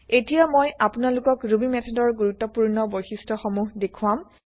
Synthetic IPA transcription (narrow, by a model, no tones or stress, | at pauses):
etijamojʔapʊnalʊkɔkɹubimɛtʰɔdɔɹɡuɹutːɔpuɹnɔbojxistɔxɔmuɦdekʰuwam